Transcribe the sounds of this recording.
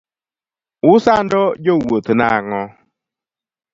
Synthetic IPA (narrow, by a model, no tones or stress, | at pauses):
ʊsan̩dɔd͡ʒowotuna̰aŋɔ